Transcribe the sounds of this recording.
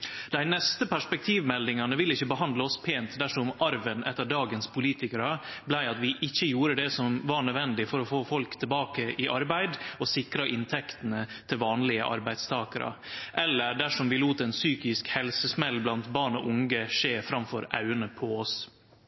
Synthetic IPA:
d̪̥æɪnɛst̪əpæʂpɛk̚t̪ʰiːʋmɛld̪ɪŋɑnəʋɪlːɪçːəbəɦɑnd̪ləɔspʰeːnt̪d̪æʂɔmʔɑɾʋənʔɛt̪ːəɖɑːɡənspʰʊliːt̪ɪkəɾəblæɪɑt̪ʋɪʔɪçːəjuːɾəd̪ɛsɔmʋɑɳœd̪ʋɛnd̪ɪfɔɾɔfoːfɔlkt̪ʰɪlbɑːkəʔɪʔɑɾbæɪd̪ɔsɪkɾɑʔɪnt̪ʰɛkt̪ənət̪ʰɪlʋɑːnlɪə̰ʔɑ̰ɾbæɪd̪st̪ʰɑːkəɾɑ̰ʔɛlːəɖæʂɔmʋɪluːt̪əɛnsyːkɪskhɛlsəsmɛlːblɑnt̪bɑːɳɔʔʊŋɡəʂeːfɾɑmfɔ̰ɾɑ̰ʉənəpʰɔɔs

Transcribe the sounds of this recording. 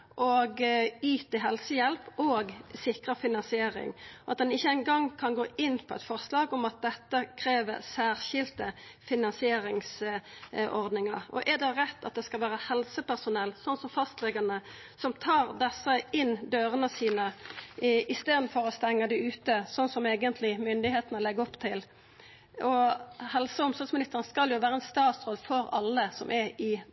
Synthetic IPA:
ʔɔɡyːt̪əɦɛlsəjɛlpoːɡsɪkʁəfɪnɑnsɪeːɾɪ̰ŋʔɑ̰t̪̚d̪ɛnɪçːəɛɪŋɡɑŋkʰɑnɡoːʔɪnːpʰɔɛ̰ɪt̪fɔʁslɑːɡɔmɑt̪̚d̪ɛt̪ːəkʰɾeːʋə̰ʁsæːʁɕɪlt̪əfɪnɑnsɪeːɾɪŋs | ʔɔʁd̪nɪŋɑ̰ɾɔ̰ʔɛd̪ɛʁɛt̪ːɑ̰t̪̚d̪ɛskɑlʋæːɾəhɛlsəpæʁsʊnɛlːsɔnsɔmfɑst̪lɛɡənə | sɔmt̪ʰɑːʁd̪ɛsəɪnd̪øːɾənəsiːnə | ɪst̪eːd̪n̩fɔɾɔst̪ɛŋːəd̪æʉːt̪əsɔnːsɔmeːɡənt̪lɪmʏnd̪ɪheːt̪nɔlɛɡːəɔpt̪ʰɪl | ɔhɛlsəʊmsɔsmɪnɪst̪əʁən̩skɑljʊʋæːɾəɛnst̪ɑːt̪sʁɔlːfɔɾɑlːəsɔmʔɛɪ

